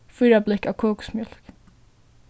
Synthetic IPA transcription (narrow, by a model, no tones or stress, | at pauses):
fʏjɾablɪkaːwkʰɔːksmjɔl̥k